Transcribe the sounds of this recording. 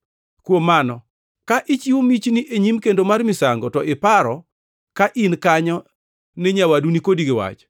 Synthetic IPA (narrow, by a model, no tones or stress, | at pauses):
kwomːanɔ | kaʔɪt͡ʃiwomit͡ʃniʔeɲimkendomarmɪsaŋɡɔtɔʔɪpaɾɔ | kaʔinkaɲɔ | neɲawadunikodiɡɪwa̰t͡ʃ